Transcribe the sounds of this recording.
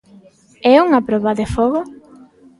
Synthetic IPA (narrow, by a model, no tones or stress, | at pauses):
ɛuŋapɾɔβaðefɔɣo